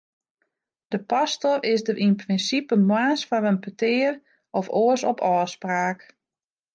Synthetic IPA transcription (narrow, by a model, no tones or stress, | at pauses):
d̥əpastɔrɪsdərʔinprɪnsipəmwaːsfarənpətɪːər | ɔfoəsɔpʰɔːspraːk